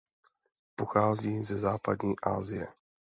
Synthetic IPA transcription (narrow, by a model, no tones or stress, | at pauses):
poxaːziːzɛzaːpadɲiːʔa̰ːzɪjɛ